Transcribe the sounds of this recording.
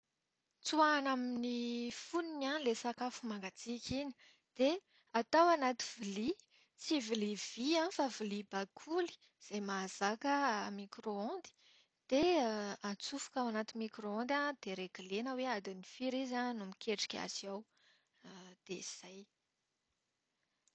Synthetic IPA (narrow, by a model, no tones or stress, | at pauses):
t͡suanaminifuninalesakafumaŋɡat͡sikʲʰiɲi̥ | d̪̥e | at̪awanat̪ivili | t͡siviliviãfavilibakʰuli̥ | z̥ajmazakəmikɾoɔ̃nd̪i̥ | d̪̥eat͡sufu̥kawanat̪imikroɔ̃nd̪and̪̥eɾeɡilenəwead̪inifiɾizanumikʰʲeʈ͡ʂi̥kʲa̰siaw | d̪̥ez̥aj